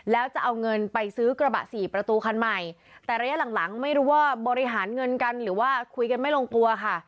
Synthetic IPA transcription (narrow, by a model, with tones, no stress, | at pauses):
lɛː˦˥wt͡ɕa˨˩ʔa˧wŋɤ˧npa˧jsɯː˦˥kɾa˧ba̰˨˩ʔsiː˨˩pɾa˧t̪uː˧kʰa˧nma˨˩j | t̪ɛː˨˩ɾaː˧ja˥la˨˩˦ŋla˩˦ŋma˥˩jɾuː˦˥waː˥˩bɔː˧ɾi˧ɦaː˩˦nŋɤ˧nka˧nɾɯː˩˦waː˥˩kʰu˧jka˧nma˥˩jloː˧ŋklu˧ɐkʰa˥˩